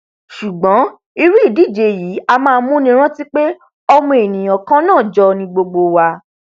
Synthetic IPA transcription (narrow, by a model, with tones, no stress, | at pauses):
ʃu˨ɡ͡bɔ̃˨˦ | i˧ɾu˦i˦˨di˦˨d͡ʒe˧jiː˨˦a˧mãː˦˧˦mũ˦nĩ˦ɾ̃ã˦ti˦k͡pe˦ | ɔ˧mũ˧˦e˨nĩ˨j̃ɔ̃˨kã˦nãː˦˨d͡ʒɔ˧nĩ˧ɡ͡bo˧ɡ͡bo˧wa˧